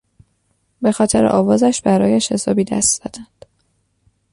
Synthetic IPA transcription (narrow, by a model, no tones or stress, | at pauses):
be̞xɒːt̪ʰe̞ɾeʔɒːvɒːzæʃbæɾɒːjeʃezɒːbiːd̪æ̰st̪z̥ɒ̰ːd̪̥ænd̪̥